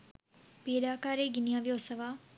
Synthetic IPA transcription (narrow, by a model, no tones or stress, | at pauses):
peːɗaːkaːɾeːɡɪnijãːʋjosəʋaː